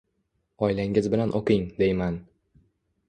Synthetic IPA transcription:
ɒjlaŋɪzbɪlanʔoqʰɨŋd̪ejman

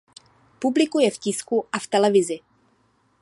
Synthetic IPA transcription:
publɪkujɛfcɪskuʔaft̪ɛlɛvɪzɪ

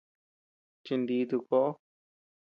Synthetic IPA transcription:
t͡ʃɪnɖ̪iːd̪uko

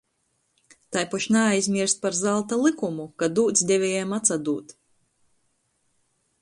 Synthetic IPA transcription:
t̪ajpaʃnaajzʲmʲiɾst̪̚paɾzalˠt̪alˠikumukad̪uːt̪sʲd̪ʲɛvʲɛjamat̪sad̪uːt̪

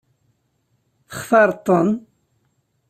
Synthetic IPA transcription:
θə̥χfɑɾˤt̪ˤːən

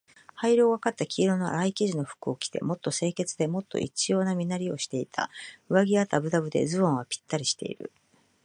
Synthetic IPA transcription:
haiɾo̞ːβakat̪ːakʲiːɾo̞no̞a̰ɾaikʲiʑino̞ɸɯ̥kɯ̟o̞kʲi̥t̪e̞̰mo̞t̪ːo̞se̞ːke̞t͡sɨd̪e̞mo̞t̪ːo̞̰ʔḭt͡ɕijo̞ːnamʲinaɾʲio̞ɕi̥t̪e̞it̪ʰa̰ɯ̟βaɡʲiat̪abɯ̟d̪abɯ̟d̪e̞̰d͡zɨβõ̞ɰ̃βapʲi̥t̪ːaɾʲiɕi̥t̪e̞̰ḭɾɯ̟̰

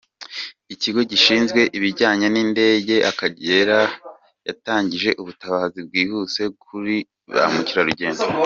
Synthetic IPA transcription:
iciɡo̞ɟiʃiːnzɡwe̞ʔiβiɾɟaːɲaninde̞ːɟe̞ʔakaɟe̞ːɾa | jataːɲɟiʒe̞ʔuβutaβaːzib̚ɡwiːhuse̞kʰuɾi | a̰muciɾaɾuɟe̞ːnzo

